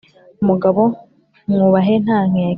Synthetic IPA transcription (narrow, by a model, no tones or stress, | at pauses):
muɡaβo | ŋuβaɦen̥aːŋ̥e